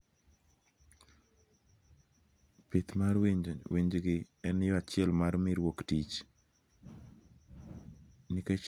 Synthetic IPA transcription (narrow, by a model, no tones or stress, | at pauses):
pɪt̪marwiɲwiɲd͡ʒɡɪɛnjɔat͡ʃɪɛlmaɾmiɾwoktit͡ʃ | niket͡ʃ